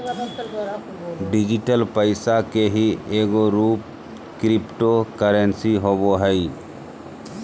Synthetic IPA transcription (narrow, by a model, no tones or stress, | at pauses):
ɖɪd͡ʒɪʈəlpəɪsakeɦieːɡoɾuːp̚ | kɾɪpʈokəɾənsiɦoboɦəi